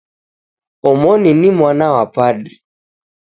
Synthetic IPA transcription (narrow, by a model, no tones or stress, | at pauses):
ɔmɔninimwanawapaɗi